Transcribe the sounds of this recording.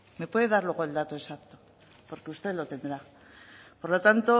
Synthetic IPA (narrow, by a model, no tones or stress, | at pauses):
me̞pwe̞ðe̞ðaɾlwe̞ɣ̞oe̞ld̪at̪o̞esakt̪o̞̥ | po̞ɾkeust̪elo̞t̪e̞nd̪ɾa | po̞ɾlo̞t̪ant̪o̞